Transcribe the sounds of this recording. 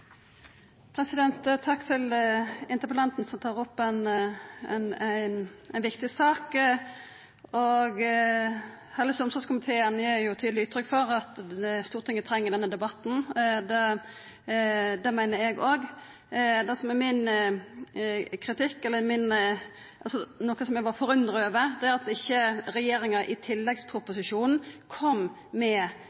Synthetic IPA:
pʰɾɛsɪd̪ɛnt̪t̪ʰːɑkːt̪ʰɪlɪnt̪əɾpəlɑnt̪n̩sɔmt̪ʰɑːʁɔpːɛnɛnæɪnænʋɪkt̪ɪsɑːk | ɔɡ | hɛlːəsɔmsɔɡskʊmɪt̪ʰeːənjeːjʊt̪ʰyːd̪lɪʉːt̪ʰːɾʏkːfɔɾɑt̪ɛst̪uːʁt̪ʰɪŋːət̪ʰɾɛŋːəd̪ɛnːəd̪ɛbɑt̪n̩d̪ɛ | d̪ɛmæɪnəɾɛɡoɡ | d̪ɛsɔmɛmɪn | kʰɾɪt̪ʰɪkːɛlːəmɪn | ʔɑlsɔnoːkəsɔmjæɡʋɑfɔɾʉnd̪ɾəøːʋəd̪ɛæɾɑt̪ɪçːəɾɛjeːɾɪŋɑʔɪt̪ʰɪlːɛɡspʰɾʊpʊsɪʂuːnn̩kʰɔm | mɛ

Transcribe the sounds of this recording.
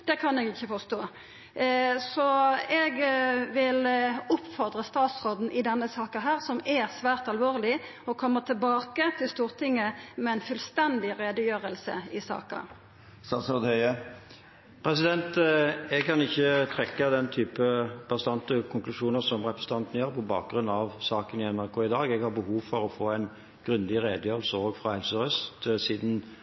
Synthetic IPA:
d̪̥ɛkʰɑnɛɡɪçːəfɔst̪oː | sɔɛɡʋɪlʊpːfɔʁd̪ʁəst̪ɑːt̪sʁoːd̪n̩ʔɪd̪ɛnːəsɑːkəɦæːʁsɔmɛsʋæːʁt̪ɑlʋoːʁlɪ | ɔkʰɔmːət̪ʰəlbɑːkət̪ʰɪlst̪uːʁt̪ʰɪŋːəmɛɛnfʉlst̪ɛnd̪ɪɾeːd̪əjøːʁəlsə̰ɪsɑ̰ːkə̰ | sɑsɔd̪œɪə | pʰʁɛsɪd̪ɛnt̪ɛɡ̚kʰɑnɪçːət̪ʰʁɛkːɑd̪ɛnt̪ʰyːpəb̥ɑst̪ɑnt̪əkʰʊŋklʉʃuːnəʁsɔmʁɛpɾəsn̩t̪ɑnt̪ənəjøːʁpʰɔbɑ̰ːk̚ɡ̥ɾʉnːɑʋsɑːkənɪɛnmɑʁkʰoːɪd̪ɑːɡɛɡhɑʁbəhuːʋfɔɾɔfoːæɪn | ɡ̥ɾʉnd̪ɪʁeːd̪əjøːʁəl̩səoːɡfɾɑhɛlsəʁœst̪siːd̪n̩

